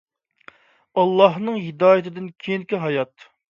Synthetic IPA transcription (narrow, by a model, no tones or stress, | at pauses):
ɑlˠːɑɦnɨŋɦid̪ɑːjɪt̪ʰɪd̪ɪnkʲʰeŋkʲiɦɑjɑt̪